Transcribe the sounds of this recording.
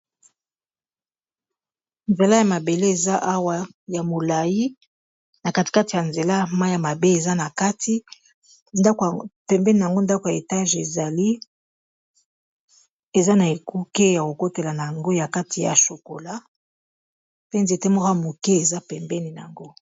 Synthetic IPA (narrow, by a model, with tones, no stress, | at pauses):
nze˨la˦ja˨ma˨be˨le˦e˨za˦ʔa˦wa˦ja˨mo˨la˨ji˦ | na˨ka˦ti̥˨ka˦ti˨ja˨nze˨la˦ma˦ja˨ma˨be˦e˨za˦na˨ka˦tʰi˦ | pɛ˨mbɛ˦ni˨a˨ŋɡo˦nda˦ko˨ja˨e˨ta˦ʒe˨za˨li˦ | e˨za˦na˨e˨ku˦ke˦ja˨ko˨ko˦te˨la˨na˨ja˨ŋɡo˦ja˨ka˦tʰi˨ja̰˨ʃo˨ko˨la˦ | pe˦nze˨te˦mo˦ka˦˨mo˨ke˦e˨za˦pɛ˨mbɛ˦ni˨n˨a˨ŋɡo˦